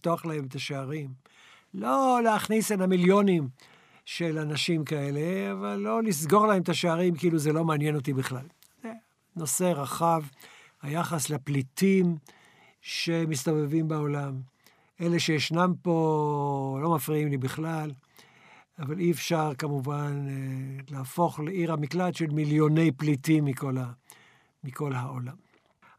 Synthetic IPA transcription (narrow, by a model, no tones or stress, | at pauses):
t̪oaχlahe̞met̪aʃeaʁim | lo̞leaχnisenhamiljo̞nim | ʃe̞lanaʃimkae̞le̞avalːo̞lis̬ɡo̞ʁlaemet̪aʃeaʁimkiiluzelo̞maːnjeno̞t̪̬ibiχlal | ze | no̞se̞ʁaχav | hajaχasleplitim | ʃemist̪ovevimbao̞lam | ʔe̞le̞ʃejeʃnampo̞ | lo̞mafʁiimlibiχlal | avaliefʃaʁkamuvanlaːfo̞χleiʁamikladʃelmiljo̞ne̞jplitimːiko̞la | miko̞lɦaolam